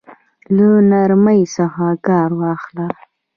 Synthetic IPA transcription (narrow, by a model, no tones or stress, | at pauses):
lənaɾməjsəxakɑɾwɑxla